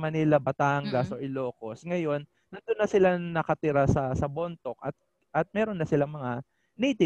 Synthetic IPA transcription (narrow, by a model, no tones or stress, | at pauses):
mɐnilabɐt̪aŋɡɐso̞ʔɪlo̞ːko̞sŋɐjo̞nːɐnd̪onːɐsɪlanɐkɐt̪ɪɾasɐsɐbont̪o̞k̚ʔɐt̪̚ | ʔɐt̪̚mɛːɾo̞nːɐsɪlamɐŋa | niːt̪ɪ